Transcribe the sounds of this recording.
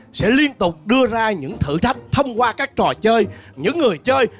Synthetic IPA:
sɛ̰˧˥li˧ənt̪ʊ˨˩k͡p̚ɗɨ˧əzaː˧ɲɨ̰˧˥ŋt̪ʰɨ̰˧˩t̪ʰa˧jŋ̟t̪ʰə˧wŋ͡mkwaː˧kaː˦˥k̚t͡ɕɔ˨˩t͡ɕəː˧jɲɨ̰˧˥ŋːɨ˨˩əjt͡ɕəː˧j

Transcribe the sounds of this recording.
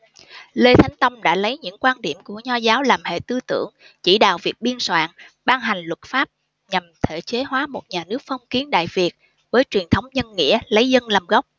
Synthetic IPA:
le˧t̪ʰa˨˦jŋ̟t̪ə˧wŋ͡mɗa̰ː˧˥lə˨˦jɲɨ̰˧˥ŋkwaː˧nɗḭ˧˩əmku˧˩əɲɔ˧zaː˨˦wlaː˨˩mhḛ˧˨t̪ɨ˧t̪ɨ̰˧˩əŋ | t͡ɕi˧˩ɗa̰ː˧˨wvi˨˩ək̚ɓi˧ənswa̰ː˧˨nɓaː˧ŋɦa˨˩jŋ̟lwə˨˩t̚faː˦˥p̚ | ɲa˨˩mt̪ʰḛ˧˩t͡ɕe˨˦ɦwaː˨˦mo˨˩t̚ɲaː˨˩nɨ˦˥ək̚fɔ˧wŋ͡mki˨˦ənɗa̰ː˧˨jvi˨˩ət̚ | vəː˨˦jt͡ɕwi˨˩ənt̪ʰə˨˦wŋ͡mɲə˧nŋḭ˧˥ələ˨˦jzə˧nla˨˩mɣə˦˥wk͡p̚

